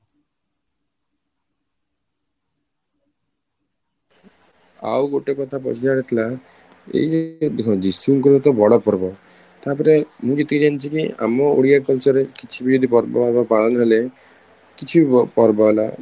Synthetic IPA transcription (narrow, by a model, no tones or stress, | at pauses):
a̰wɡoʈekɔt̪ʰapɔ̰t͡ʃʰid͡ʒaɽit̪ʰila | ḛid͡ʒed̪isuŋkɔlɔt̪ɔbʱɔɽɔpɔɾbɔ | t̪apɔɾemũd͡ʒet̪ikid͡ʒanit͡ʃʰikia̰mɔo̰ɽijakɔlt͡ʃɔɾekit͡ʃʰibid͡ʒod̪ipɔɾbɔ̰aɾbɔpaɭɔnɔɾele | kit͡ʃʰibipɔɾbɔɦela̰